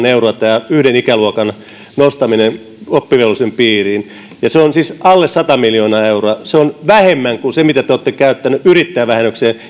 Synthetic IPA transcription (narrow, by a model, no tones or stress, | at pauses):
neuroɑt̪æːyhdenikæluokɑn | nost̪ɑminen | opːiʋelusempiːriːn | jɑseonsisɑlːessɑt̪ɑmiljoːnɑːeuroɑseonʋæhemːæŋkusemit̪æt̪eot̪ːekæyt̪ːænyʔyrit̪ːæːʋæhenːøkseː